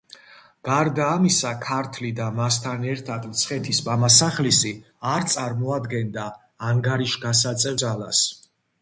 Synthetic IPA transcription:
ɡ̥aɾd̪aːmisakʰaɾt̪ʰlid̪amas̬t̪ʰanɛɾt̪ʰad̪mt̪sʰχɛt̪ʰismamasaχlisi | aɾt̪sʼaɾmɔad̪ɡɛnd̪aː | ŋɡaɾiʃɡas̬at̪sʼɛvd̪zalas

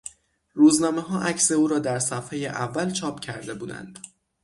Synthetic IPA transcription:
ɾuːznɒːme̞ɦɒːʔæcse̞uːɾɒːd̪æɾsæfheːjeʔævːælt͡ʃʰɒːpʰcʰæɾd̪e̞buːd̪æ̰nd̪̥

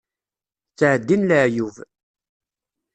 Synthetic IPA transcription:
t͡sːʕəd̪ːinləʕjuv

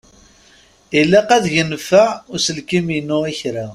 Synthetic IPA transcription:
ilːæqæðʝənːfæʊɾsəlkiminːʊæçɾa

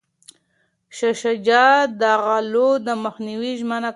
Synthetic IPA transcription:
ʃaʃad͡ʒɑd̪aɣalod̪əməxniwiʒməna

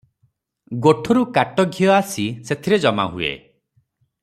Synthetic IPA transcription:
ɡoʈʰɔɾukaʈɔɡʱiɔasiset̪ʰiɾed͡ʒɔma̰ɦuḛ

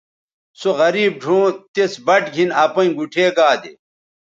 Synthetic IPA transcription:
soɣɐɾiːb̚ɖʱũːt̪esbɐʈɡʱinɐpɐĩɡuʈʰeːɡaːd̪ḛ

